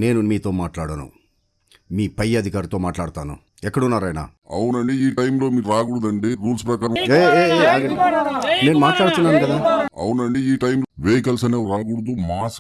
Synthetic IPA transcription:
ne̞ːnumiːt̪o̞ːmaːʈlaːɽɐnṵ | miːpɐjɐd̪ʱikaːɾɐt̪o̞ːmaːʈlaːɽut̪aːnṵ | ɛkːɐɽunːaːɾaːjna̰ | ɐ̰wunɐɳɖiiːʈɐjmlo̞ːmiːɾuɾaːɡuɽud̪ɐɳɖiɾuːlspɾɐkaːɾɐ̃eeeaːɡɐine̞ːnumaːʈlaːɽut̪unːaːnukɐd̪aːɐ̰wunɐɳɖiiːʈɐjmlʋeːjkɐlsɐneːɾaːɡuɽud̪umaːs

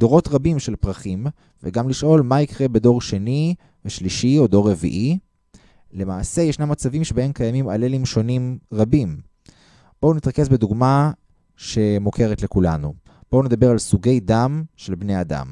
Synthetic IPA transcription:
d̥̪o̞ʁo̞tʁabimʃe̞lpʁaχim | veɡamliʃʔo̞lmaikʁe̞be̞do̞ʁʃe̞ni | veʃliʃio̞d̪o̞ʁːe̞vḭʔi | le̞maːse̞jeʃnamːat͡savimʃebahe̞mkajamimalelimʃo̞nimʁabim | b̥o̞unit̪ʁake̞sbe̞d̪uɡma | ʃe̞mokʰe̞ʁetlekula̰nu | b̥o̞une̞d̪abe̞ʁalsuɡe̞jdamʃe̞lbnejad̪a̰m

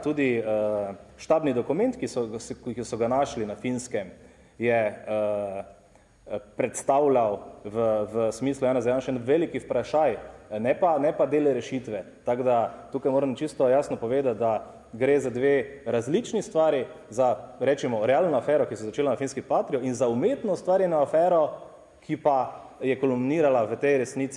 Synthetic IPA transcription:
t̪uːd̪iəʃt̪aːbnid̪ɔkumɛ̃nt̪kisɔkkisɔɡanaʃlinafinskɛm | jɛ | pɾɛt̪st̪awlawʋəʋəsmislʊjaːnazajaːnʃɛnʋelikiwpɾaʃajnɛpanɛpad̪eːlɛɾɛʃit̪ʋɛ | t̪aɡd̪at̪uːkajmoːɾəmt͡ʃist̪ɔjaːsnɔpɔʋeːd̪at̪̚d̪a | ɡɾeːzad̪ʋeːɾazlit͡ʃnist̪ʋaːɾjizaɾɛːt͡ʃɛmɔɾɛaːlnɔafɛːɾɔkisɛzat͡ʃeːlanafinskipaːt̪ɾiɔinzaumeːt̪nɔst̪ʋaːɾjɛnaːfɛːɾɔ | kʰipajɛkɔlumniːɾalaʋət̪ɛjɾɛsniːt̪si

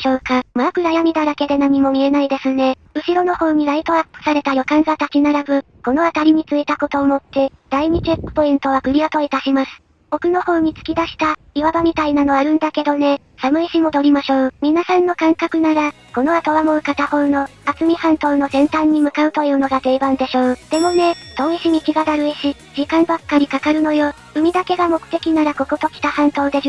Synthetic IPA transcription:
ɕoːkamakɯ̟ɾajamʲid̪aɾake̞d̪e̞namimo̞mʲie̞naid̪e̞sɨne̞ | ɯ̟ɕiɾo̞no̞ho̞ːɲ̟iɾait̪o̞apːɯ̟̥saɾe̞t̪ajo̞kãŋɡat̪at͡ɕinaɾabɯ̟ | ko̞no̞at̪aɾʲiɲ̟it͡sɨit̪ako̞t̪o̞ːmo̞t̪ːe̞d̪̥aiɲ̟it͡ɕepːɯ̟̥po̞ĩnt̪o̞β̞akɯ̟ɾʲiat̪o̞it̪aɕimasɨ̥ | o̞kɯ̟no̞ho̞ːɲ̟it͡sɨ̥kʲid̪aɕi̥t̪a | iβabamʲit̪ainano̞aɾɯ̟̃nd̪ake̞d̪o̞ne̞ | samɯ̟iɕimo̞d̪o̞ɾʲimaɕo̞ːmʲinasãnːo̞kãŋkakɯ̟naɾa | ko̞no̞at̪oβamoɯ̟kat̪aho̞ːno̞at͡sɨmʲihãnt̪o̞ːno̞zẽ̞nt̪ãɲ̟ːimɯ̟kaɯ̟t̪o̞jɯ̟ːno̞ɡat̪e̞ːbãnd̪e̞ɕo̞ːd̪̥e̞mo̞ne̞t̪o̞ːiɕimʲikiɡad̪aɾɯ̟iɕi | d͡ʑikãmbakːaɾʲikakaɾɯ̟no̞jo̞ | ɯ̟mʲid̪ake̞ɡamo̞kɯ̟̥t̪e̞kʲinaɾako̞kot̪o̞kʲi̥t̪ahãnt̪o̞ːd̪e̞ɕ

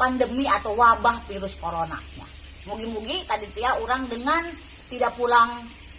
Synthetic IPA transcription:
pandəmiat̪awwabahfiɾʊskoɾona̰ma̰h | muɡimuɡit̪adit̪iauɾaŋdəŋan | t̪idaʔpulaŋ

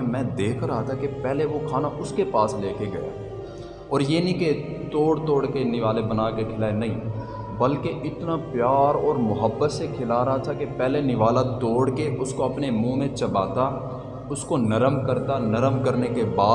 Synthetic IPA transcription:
mɛ̃ːd̪eːkʰəɾaːt̪ʰakepɛɦleʋokʰaːnaʔʊskepaːsleːkʰeɡɐja̰ː | ɔːɾjeːnĩket̪oːɽt̪oːɽkenɪʋaːlebənaːkekʰɪlaːenɐɦĩː | bɐlkeʔɪt̪napjaːɾɔːɾmʊɦəbːət̪sekʰɪlaɾɐɦat̪ʰakepɛːlenɪʋaːlat̪oːɽkeʔʊskoɐpnemũːmẽt͡ʃɐbaːt̪a | ʊskonɐɾəmkəɾt̪anɐɾəmkəɾnekebaː

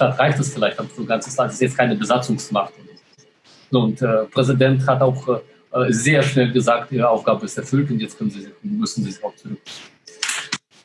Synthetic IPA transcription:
taːtʁaɪçtɛsfɪlaɪçtabɐfoːɡant͡səsasɪstjɛt͡stkʰaɪnəbəzat͡sʊŋsmaχtʊn | z̥oːʊntɛːpʁ̥ɛzidɛnthataʊx | ʔzeːɐʃnɛlɡəzaːk̚tʔiːʁəaʊfɡ̥aːbəɪstɛɐfʏltʊntjɛt͡stkʰœnənziːzmʏsn̩ziːziaʊt͡sʊʁʏk̚ɪ

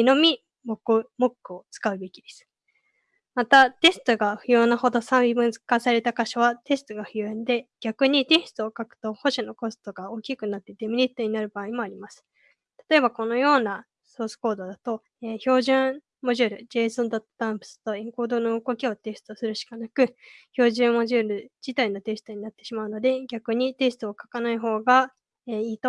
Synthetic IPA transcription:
ino̞mʲi | mokɯmo̞kːɯ̟o̞t͡sɨ̥kaɯ̟be̞kʲid̪e̞sɨ̥ | mat̪at̪e̞sɨ̥t̪o̞ɡaɸɯ̟jo̞ːnaho̞d̪o̞sãibɯ̟̃nzɨkasaɾe̞t̪akaɕoβat̪e̞sɨ̥t̪oɡaɸɯ̟joẽnd̪e̞ɡ̥ʲakɯ̟ɲ̟it̪e̞sɨ̥t̪ookakɯ̟̥t̪o̞ho̞ɕino̞ko̞sɨ̥t̪o̞ɡao̞ːkʲikɯ̟nat̪ːe̞d̪e̞mʲiɾʲit̪ːo̞ɲ̟inaɾɯ̟baːimo̞aɾʲimasɨ̥ | t̪ḁt̪o̞e̞bako̞no̞jo̞ːna | so̞ːsɨ̥ko̞ːd̪o̞d̪at̪o̞ | eːço̞ːʑɨ̃ɴ | mo̞ʑɨːɾɯ̟d͡ʑe̞ːsõnd̪at̪ːo̥t̪ãmpɯ̥sɨ̥t̪o̞iŋko̞ːd̪o̞no̞ɯɡo̞kʲio̞t̪e̞sɨ̥t̪osɨɾɯ̟ɕi̥kanakɯ̟ço̞ːʑɨ̃mo̞ʑɨːɾɯ̟d͡ʑit̪aino̞t̪e̞sɨ̥t̪o̞ɲ̟inat̪ːe̞ɕimaɯ̟no̞d̪e̞ɡʲakɯ̟ɲ̟it̪e̞sɨ̥t̪ɨokḁkanaiɦo̞ːɡa | eːiːt̪o̞

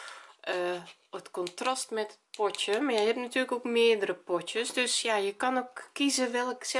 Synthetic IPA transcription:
ʔə | ətkɔntrastmɛtət̚pɔtjəmajɛjhɛp̚natyələkokmɪədərəpɔtjəsdøsjajəkanokːizəʋɛlˠksɛ

